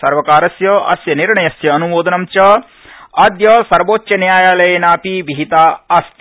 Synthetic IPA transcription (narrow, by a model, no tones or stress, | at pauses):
sɐɾʋɐkaːɾɐsjɐɐ̰sjɐniɾɳɐjɐsjɐːnuʋoːd̪ɐnɐmt͡ʃɐ | ad̪jɐsɐɾʋoːt͡ʃjɐnjaːjaːlɐjeːnaːpiʋiɦit̪aːɐst̪